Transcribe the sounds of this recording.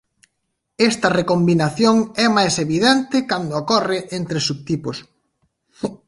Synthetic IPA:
est̪ɐrekombinaθjoŋɛmajseβiðɛnt̪ɪkand̪ookɔrɪʔent̪ɾesuβ̚t̪ipos

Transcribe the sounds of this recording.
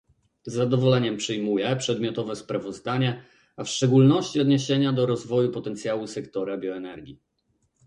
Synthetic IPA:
zːad̪ɔvɔlɛɲɛmpʂɘjmujɛpʂɛd̪mʲjɔt̪ɔvɛspɾavɔzd̪aɲɛ | afʂt͡ʂɛɡulnɔɕt͡ɕiɔd̪ɲeɕeɲad̪ɔɾɔzvɔjupɔt̪ɛnt̪sʲjawusɛkt̪ɔɾabʲjɔɛnɛɾɡʲi

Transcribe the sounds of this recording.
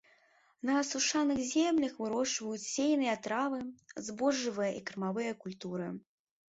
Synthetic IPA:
nɐːsuʂanɨxzʲemlʲɐxvɨɾɔʂvɐjut͡sʲsʲejnɨjɐt̪ɾavɨzbɔʐːɨvɨjɐʔikɾɨmavɨjɐkulʲt̪uɾɨ

